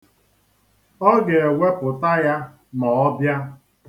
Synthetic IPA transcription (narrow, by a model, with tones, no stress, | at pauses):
ɔ˦ɡe˨e˨wʷe˦pʊ˨ta˦ja˦ | nɔ˨ɔ˦bja˦